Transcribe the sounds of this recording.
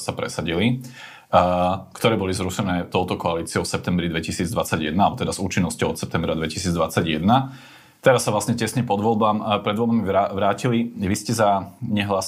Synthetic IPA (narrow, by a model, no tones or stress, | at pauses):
sapɾɛ̰saɟili | kt̪ɔɾɛːbɔlizɾuʃɛnɛːt̪ɔʊt̪ɔkɔaliːt͡siɔʊsɛp̚t̪ɛmbɾid̪ʋɛcisiːd͡zd̪ʋat͡saɟjɛ̰d̪nalbɔt̪ɛd̪azuːt͡ʃinːɔscɔʊɔt̪sɛp̚t̪ɛmbɾad̪ʋɛci̥siːd͡zd̪ʋat͡saɟjɛd̪na | t̪ɛɾasːaʋlasɲɛcɛsɲɛpɔd̪ʋɔlbampɾɛd̪ʋɔlbamiʋaʋɾaːciliʋiscɛzaɲɛɦlas